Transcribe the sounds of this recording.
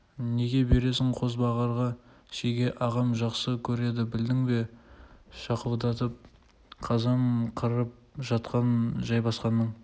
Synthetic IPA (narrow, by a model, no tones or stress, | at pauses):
ne̞ɡʲe̞be̞ɾe̞s̬ɪŋqʰo̞zbɑʁɑɾʁɑ | ʃejɡʲe̞ʔɑʁɑmʒɑqsəkʲʰɵɾe̞d̪ɪbɪld̪ɪŋbe̞ | ʃɑqəlˠd̪ɑt̪əp̚ | qʰɑzɑmqʰəɾəp̚ʒɑt̪qɑnʒɑjbɑsqɑnːəɴ